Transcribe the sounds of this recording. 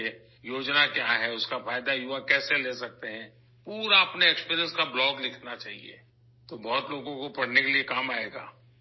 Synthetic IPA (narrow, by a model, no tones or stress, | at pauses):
eː | joːd͡ʒnakjaɦɛʊskafaːjd̪ajʊʋakɛːseleːsɐk̚t̪eɦɛ̃ː | puːɾaɐpneeːkspiːɾijə̃nskablɔːɡlɪkʰnat͡ʃaːɦiḛː | t̪obɔːt̪loːɡõkopɐɽ̤nekeliekaːmaːeːɡaː